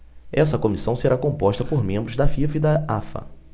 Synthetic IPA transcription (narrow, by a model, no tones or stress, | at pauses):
ɛsɐkõmisɐ̃w̃seɾakõmpɔʃt̪ɐpoɾmẽmbɾʊzd̪ɐfifid̪ɐafɐ̰